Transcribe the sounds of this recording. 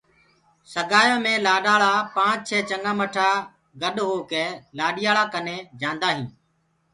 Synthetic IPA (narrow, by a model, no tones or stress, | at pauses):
səɠaːjãːmẽːlaːɗaːɭaːpãːt͡ʃ̚t͡ʃʰɛːt͡ʃəŋɡãːməʈʰaː | ɡəɗɦoːkeːlaːɗɪjaːɭaːkəneːd͡ʒãːnd̪aːɦĩː